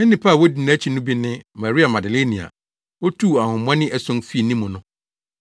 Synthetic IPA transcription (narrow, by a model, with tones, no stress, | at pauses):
nɪ̃˦nɪ̃˨pʰa˦˨wo˦di˨ñ˨˦æ˦t͡ɕʰi˨nʊ̃˦bi˦nɪ̃˦ma˨ɾi˦a˨ma˨dɪ˨le˦nĩ˨a̰˨ | wo˦tʰu˦˨a˨hʊ̃˨m˦ã˦nɪ̃˦ʔæ˦˨sʊ̃˦nfi˦e˨nĩ˦mʊ̃˨nʊ̃˦